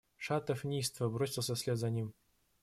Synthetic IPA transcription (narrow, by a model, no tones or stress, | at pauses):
ʂat̪əfnʲijst̪vəbɾosʲɪlˠsʲəsʲlʲet̪zɐnʲim